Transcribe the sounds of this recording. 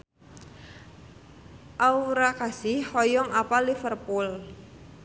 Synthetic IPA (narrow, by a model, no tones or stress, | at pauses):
ʔauɾakasɪhhɔjɔŋapalifərpul